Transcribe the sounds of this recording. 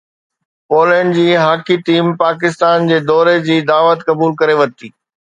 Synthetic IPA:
poːlə̃ɳɖd͡ʑiːɦaːkiʈiːmpaːkɪst̪aːnd͡ʑeːd̪ɔːɾed͡ʑiːd̪aːʋət̪kɐbuːlkɐɾeʋɐt̪iː

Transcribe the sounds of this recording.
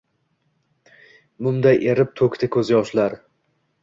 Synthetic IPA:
mʊmd̪ajʔeɾɪp̚t̪ʰɵkʲt̪ʰɪkʲʰɵzɪjɒʃlaɾ

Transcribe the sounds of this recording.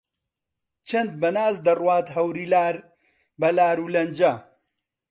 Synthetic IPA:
t͡ʃʰɐnd̪̚bɐnaːzd̪ɐrwaːt̪ɦɐwɾiːlaːɾ | bɐlaːɾuːlɐnd͡ʒɐ

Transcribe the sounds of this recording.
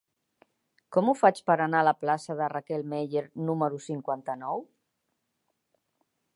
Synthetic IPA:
kɔmufat͡ʃpəɾanaələplasəðərakɛlˠmɛʎeɾnuməɾusiŋkwant̪ənɔw

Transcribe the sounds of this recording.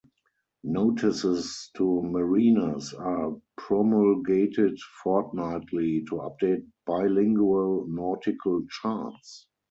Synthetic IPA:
noʊtʰɪsɪstʰuməɹiːnəsapʰɹɔmɔlɡeɪtʰɪtfɔtnaɪtʰlitʰua̰p̚d̥eɪt̚b̥aɪlɪ̃ŋɡuəlnɔtɪkʰəlt͡ʃats

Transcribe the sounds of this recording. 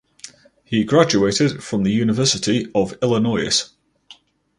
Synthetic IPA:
hiɡɹad͡ʒueɪtɪd̥fɹə̃mðəjʉːnɪvɜˑsɪtʰiəvɪlɪnɔɪə̰s

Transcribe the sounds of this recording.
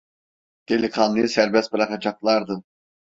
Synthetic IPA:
d̪̥eliχɑnˠɯjsæɾbɛst̪̚bɯɾɑqɑd͡ʒɑqlˠɑɾd̪ɯ

